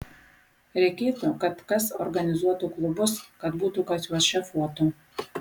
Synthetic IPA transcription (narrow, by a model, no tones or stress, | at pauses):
ɾʲɛɪkʲeːt̪ukɐt̪kɐsɔɾɡɐnʲɪzuɔt̪ʊklˠʊbʊskɐt̪buːt̪ʊkɐsʲuɔʃʲɛfoɔt̪u